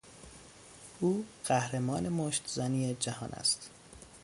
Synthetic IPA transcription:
ʔuːɢ̥æhɾemɒːne̞moʃt̪zæniːed͡ʒæhɒ̰ːnʔæ̰st̪

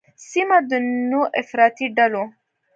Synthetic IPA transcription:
simɐd̪ənːoʔefɾaːt̪iɖɐlo

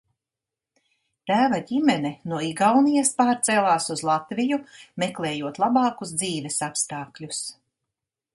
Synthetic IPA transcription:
t̪æːvaɟimɛnɛnuɔiɡawnijaspaːɾt̪sɛːlˠaːsuzlˠat̪vijumɛklˠɛːjuɔt̪lˠabɑːkuz̬d̪ziːvɛsapst̪ɑːklʲus

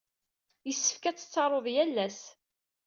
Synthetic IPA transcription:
jəsːə̥fkæt͡sːə̥t͡sːɑɾˤoðˤjælːæs

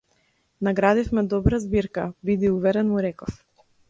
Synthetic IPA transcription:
naɡɾad̪ifmɛd̪ɔbɾazbiɾkabid̪iuvɛɾɛnmuɾɛkɔf

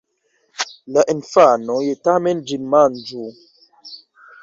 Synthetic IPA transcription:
laʔinfanojetamɛnd͡ʒinmand͡ʒu

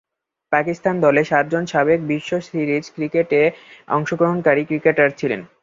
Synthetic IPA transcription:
pakist̪and̪ɔleʃat̪̚d͡ʑonʃabek̚biʃːosɾiɾid͡ʑkɾikeʈeɔ̰ŋʃoɡɾoɦonkaɾikɾikeʈaɾt͡ɕʰilḛn

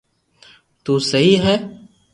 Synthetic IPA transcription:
t̪uːsɐɦiɦɛː

